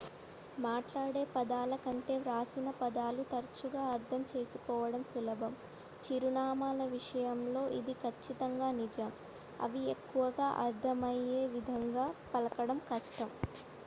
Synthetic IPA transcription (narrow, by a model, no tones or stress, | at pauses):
maːʈlaːɽe̞ːpɐd̪aːlɐkɐɳʈe̞ːɾaːsinɐpɐd̪aːlut̪ɐɾt͡ʃuɡaːɐɾd̪ʰʱɐmt͡ʃe̞ːsukɔːʋɐɽɐmsulɐbʱɐm | t͡ʃiɾuɳaːmaːlɐʋiʂɐjɐmlo̞ːʔid̪ikʰɐt͡ʃːit̪ɐŋɡaːnid͡ʒɐm | ɐ̰ʋiekːuʋɐɡaːʔɐɾd̪ʱɐmɐje̞ːʋid̪ʱɐŋɡaːpɐlɐkɐɽɐmkɐʂʈɐm